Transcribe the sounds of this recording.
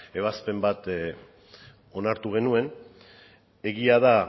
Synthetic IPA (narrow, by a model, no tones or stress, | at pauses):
e̞β̞aspe̞mbat̪ | o̞naɾt̪uɣe̞nue̞n | e̞ɣiaða